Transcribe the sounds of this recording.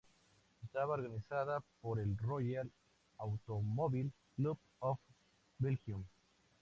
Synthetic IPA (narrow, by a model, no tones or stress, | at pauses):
est̪aβaoɾɣanisaðapoɾelroʝal | awt̪omoβil | klup | of | belxjum